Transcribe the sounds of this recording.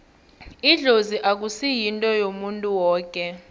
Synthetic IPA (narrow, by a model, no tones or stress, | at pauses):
iɮoziʔak̬ʼusijintʼɔjomuntʼuwɔːkʼɛ